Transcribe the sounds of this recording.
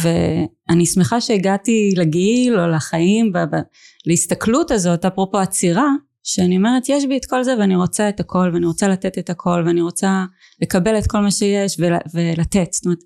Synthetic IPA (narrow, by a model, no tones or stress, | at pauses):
ve | anismeχaʃeiɡatileɡiilo̞laχajimbab | laist̪aklutazo̞tapʁopo̞at͡siʁa | ʃeaniome̞ʁe̞tjeʃ̬bietko̞lzeveaniʁo̞t͡saetakʰo̞lveaniʁo̞t͡salatetetakʰo̞lveaniʁo̞t͡sa | le̞kabe̞let̚ko̞lmaʃeje̞ʃvela̰ve̞latetst̪omeet̪